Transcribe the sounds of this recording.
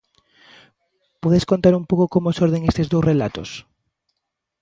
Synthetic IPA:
pɔðeskont̪aɾumpowkokomosoɾðeŋest̪ezðowsrelat̪o̰s

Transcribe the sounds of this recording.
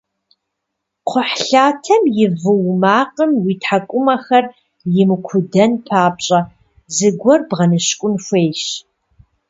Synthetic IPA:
qʷʰʊħɬaːtʰɐmjɪvɨwmaːqʼəmwitʰħakʷʼʊmɐxɐr | jɪmɨkʷʰʊdɐnpʰaːpɕʼɐ | zɨɡʷɔrbʁɐnɨɕkʷʼʊnfʷeːjʃ

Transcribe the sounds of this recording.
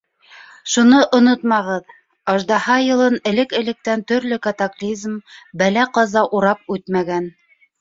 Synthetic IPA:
ʃunɤʔŏnot̪mɑʁɤð | ɑʒd̪ɑhɑjɤ̆lˠɤnɘ̆lɘkɘ̆lɘ̆k̚t̪ænt̪ɵ̆ɾlɵkat̪aklʲizmbælæqɑzɑʔuɾɑpʉt̪mæɡæn

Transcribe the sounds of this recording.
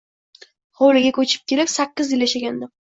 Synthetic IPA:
howlɪɡʲakʰɵt͡ʃʰɪ̥p̚kʲʰe̞lɪpsakʲːɪzjɪljaʃaɡʲand̪ɪ

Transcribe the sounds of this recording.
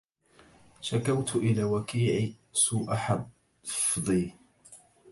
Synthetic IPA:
ʃakawt̪ʔɪlaːwakiːʕi | suːʔaħa | fðˤiː

